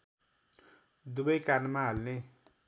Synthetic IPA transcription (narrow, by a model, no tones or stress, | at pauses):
d̪ubʌjkarnmaɦalne